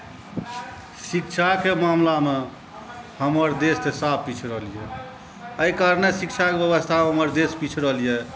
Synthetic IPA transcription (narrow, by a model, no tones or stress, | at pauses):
sikt͡ʃʰakemamlame | həməɾd̪est̪esab̚pit͡ʃʰɾəɦlijɛ | əikaɾnesik̚t͡ʃʰakebjəbəst̪ʰaeɦəməɾd̪espit͡ʃʰɾəɦlije